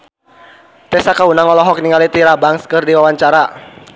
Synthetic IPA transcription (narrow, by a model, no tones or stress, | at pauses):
t̪ɛsakaunaŋɔlɔɦɔk̚niŋalit̪iɾabaŋskɨrdiwawaɲt͡ʃaɾa